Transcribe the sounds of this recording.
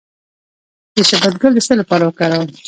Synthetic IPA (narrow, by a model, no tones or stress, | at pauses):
d̪̥əʃabad̪̚ɡəld̪əsəlapɑɾawəkɑɾaw